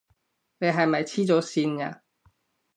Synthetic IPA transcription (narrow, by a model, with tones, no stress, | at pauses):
ne˨˧jɦɐ˨jmɐ˨jt͡sʰiː˥t͡so˨˥siː˧na̰ː˧